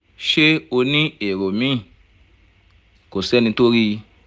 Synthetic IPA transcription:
ʃe˦o˧nĩ˦e˨ɾo˨mĩ˨˦˨ | ko˨sɛ˦nĩ˧to˦ɾi˦˧

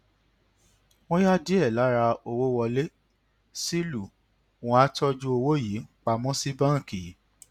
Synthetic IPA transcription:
w̃ɔ̃˦ja˦di˦ɛ˦˨la˨˦ɾa˧o˧wo˦wɔ˧le˦ | si˦lu˦˨ | wɔ̃˧a˦tɔ˦d͡ʒu˦o˧wo˦ji˨˦k͡pa˧mɔ̃˦si˦bã˦˨ki˨˦

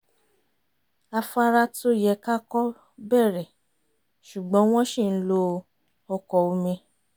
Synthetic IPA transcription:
a˧fa˧ɾa˧to˦jɛ˨˧ka˦kɔ˦ | bɛ˦˨ɾɛ˨ | ʃu˨ɡ͡bɔ̃˨˦w̃ɔ̃˦ʃi˦˨n̩˦lo˧ | ɔ˧kɔ˧o˨˧mĩ˧

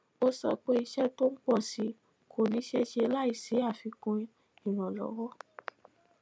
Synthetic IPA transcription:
o˦sɔ̰˧k͡pe˦i˧ʃɛ˦to˦n̩˦k͡pɔ˦˨si˨˦ | kʰo˨nĩ˨˦ʃe˦ʃe˧la˦i˦˨si˨˦a˦˨fi˧kũ˧ | ĩ˦˨ɾ̃ã˨lɔ̰˨˦wɔ˦

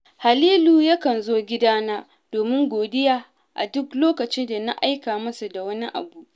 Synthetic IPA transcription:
ha˨liː˦luː˨jɐ˦kɐ˨nzoː˦ɡʲɪ˦daː˦na˦ | d̥oː˨mɪ˦ŋɡʷoː˨dɪ˦jaː˦ | ʔa̰˨dʊ˦kloː˦kɐ˨t͡ʃɪ˦da˨na˦ʔa˦jkaː˨mɐ˦su˨da˨wɐ˦ni˦ʔa̰˨bu˦ʔ

